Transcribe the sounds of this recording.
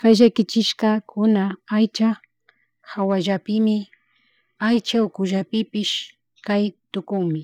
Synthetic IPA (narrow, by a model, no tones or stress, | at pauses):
kajʒakɪt͡ʃɪʃkakʰʊnaajt͡ʃa | xawaʒapɪmɪ | ajt͡ʃaʊkʊʒapɪpɪʃ | kajt̪ʊkʊŋmɪ